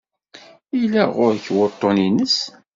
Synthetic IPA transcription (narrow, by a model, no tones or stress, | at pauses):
ilæʁʊɾçwət̪ˤːoninəs